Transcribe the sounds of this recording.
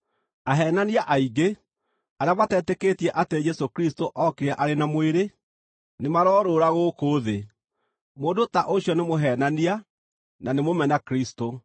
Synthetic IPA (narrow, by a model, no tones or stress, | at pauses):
aɦɛːnaniaʔaiɡe | aɾeamatɛːtɛkeːtiɛʔated͡ʒɛsokɾistoʔɔkeɾɛʔaɾenamoeɾe | nemaɾɔːɾoːɾaɣoːkoːðe | moːndotaʔoɕiɔnemoɦɛːnania | nanemomɛnakɾisto